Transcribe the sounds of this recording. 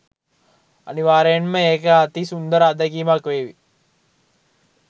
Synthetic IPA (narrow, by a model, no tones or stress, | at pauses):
a̰niʋaːɾejənməeːkəat̪isund̪əɾəad̪əɡiːmakʋeːʋi